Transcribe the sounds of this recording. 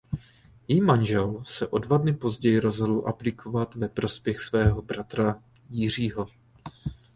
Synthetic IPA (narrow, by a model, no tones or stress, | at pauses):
jɛjimanʒɛlsɛʔo̞dvadnɪpo̞zɟɛjɪɾo̞zɦodl̩ʔaplɪkʰo̞vat̪vɛpɾo̞spjɛxsvɛːɦo̞bɾat̪ɾa | jɪr̝iːɦo̞